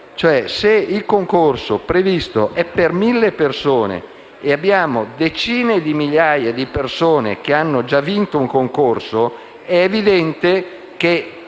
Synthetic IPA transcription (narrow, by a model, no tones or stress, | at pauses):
t͡ʃoɛseilkoŋkorsopɾevist̪oʔɛpːermilːepersoːnḛ | eabːjaːmod̪et͡ʃiːned̪imiʎjajed̪ipersoːnḛk̟eanːod͡ʒavːint̪ouŋkoŋkorso | ɛːvid̪ɛnt̪e | k̟e